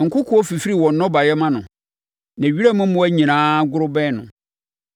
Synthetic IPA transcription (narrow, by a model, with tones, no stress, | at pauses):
ŋ̩˨kʊ˦kʰʊ˨˦ɔ˦fi˨fi˦ɾi˨wɔ̃˨n˨˦nɔ̃˦ba˨jɛ˦mã˦nʊ̃˨ | næ̃˨ɥi˦ɾɛ˦mʊ̃˦mʊ̃˦æ˦ɲĩ˨nãː˦ɡʊ˦ɾʊ˦bɛ˦nʊ̰̃˨